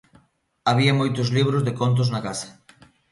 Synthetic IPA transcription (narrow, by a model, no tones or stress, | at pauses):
aβ̞iamojt̪ozliβ̞ɾozðekont̪̬oznakasɐ̥